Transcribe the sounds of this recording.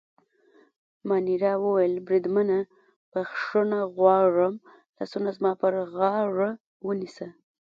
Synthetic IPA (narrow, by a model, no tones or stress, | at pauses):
mɑniɾɑwəwajəlbɾid̪mana | paxʂənaɣwɑɻəm | lɑsunazmɑpəɾɣɑɻa | wənisa